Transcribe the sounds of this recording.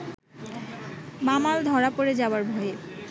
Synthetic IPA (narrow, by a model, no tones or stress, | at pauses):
mamald̪ʱɔɾapoɾed͡ʑabaɾbʱoe